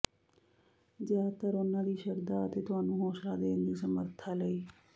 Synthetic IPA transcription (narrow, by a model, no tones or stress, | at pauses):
zjaːt̪əɾʊnãːd̪iːʃəɾd̪aːət̪eːt̪ʊɦaːnũːɦoːʃlaːd̪eːnd̪iːsəməɾt̪ʰaːləiː